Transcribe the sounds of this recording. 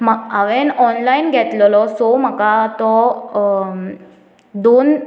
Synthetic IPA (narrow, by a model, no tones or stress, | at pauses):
maɡaʋenɔnlainɡʱɛt̪lɔlɔsom̤əkat̪ɔ | d̪on